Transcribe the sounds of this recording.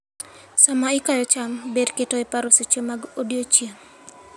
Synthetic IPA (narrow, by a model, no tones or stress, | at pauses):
samaikajɔt͡ʃambedketɔepaɾoset͡ʃomaɡodjot͡ʃiam